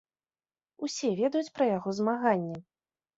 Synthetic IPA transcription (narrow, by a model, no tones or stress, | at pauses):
usʲɛvʲɛd̪ɐjut͡sʲpɾɐjaɣɔzmaɣanʲːɛ